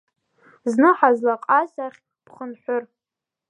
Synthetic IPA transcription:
znɨħazlaqʼazaχʲ | pʰχənħʷʊr

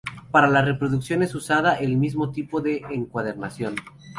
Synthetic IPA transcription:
paɾalare̞pɾo̞ðuksjo̞ne̞susaðaʔelmizmo̞t̪ipo̞ðe̞ʔeŋkwað̞e̞ɾnasjo̞n

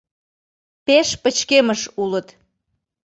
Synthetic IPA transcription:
peʃpət͡ɕkeməʃulət̪

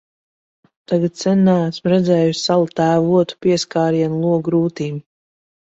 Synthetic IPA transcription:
t̪aɡat̪̚sɛnːaasmɾɛd̪zʲɛːjusʲsalˠut̪æːvuɔt̪u̥piɛskaːɾiɛnlˠuɔɡɾuːt̪iːm

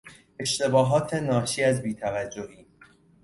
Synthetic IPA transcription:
e̞ʃt̪e̞bɒːɦɒːt̪ʰe̞nɒːʃiæzbiːt̪ʰævæd͡ʒːoʔiː

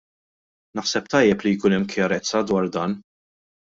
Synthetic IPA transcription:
nɐħsɛp̚t̪ɐjːɛplijkʊːnɛmːkjɐɾɛt͡sːɐd̪wɐɾd̪ɐːn

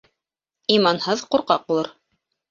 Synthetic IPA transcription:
imɑnhɤðquɾqɑq̚ulˠɤɾ

